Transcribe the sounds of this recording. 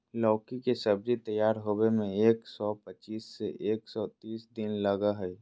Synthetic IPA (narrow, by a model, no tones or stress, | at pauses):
lɔːkikesɐb̚d͡ʒit̪ɐjːaːɾɦoːwemẽeːksɔːpət͡ʃiːsːeʔeːksɔːt̪iːsd̪ɪnlɐɡaɦɛː